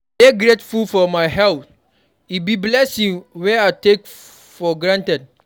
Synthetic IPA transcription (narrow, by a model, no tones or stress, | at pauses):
beɡɹetfulfɔmajhɛlθ | ibiblɛsĩŋwɛaɪtek | fɔɡɹãntɛd̚